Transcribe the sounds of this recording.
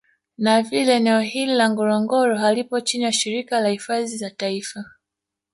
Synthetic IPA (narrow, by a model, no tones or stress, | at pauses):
navilɛːnɛɔhililaŋɡɔɾɔŋɡɔɾɔɦalipɔt͡ʃinijaʃiɾikalahifazizataifa